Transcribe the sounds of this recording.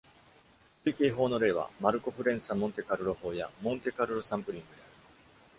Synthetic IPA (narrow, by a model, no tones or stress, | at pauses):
sɨike̞ːɦo̞ːno̞ɾe̞ːβa̰maɾɯ̟ko̞ɸɯ̟ɾẽ̞ɰ̃samõ̞nt̪e̞kaɾɯ̟ɾo̞ho̞ːja̰mõ̞nt̪e̞kaɾɯ̟ɾosãmpɯ̟ɾʲĩŋɡɯ̟d̪e̞aɾɯ̟